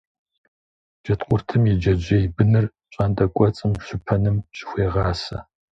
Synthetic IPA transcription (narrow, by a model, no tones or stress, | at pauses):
d͡ʒ̥ɐtqʷʊrtʰɨmjid͡ʒɐd͡ʒʷejbɨnɨr | ɕʼaːndɐkʷʼɔt͡sʼɨmɕʷʊpʰɐnɨmɕʼɪ̥xʷeːʁɑːsɐ̰